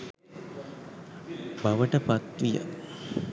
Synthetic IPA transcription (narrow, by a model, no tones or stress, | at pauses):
baʋəʈəpat̪ʋijə̰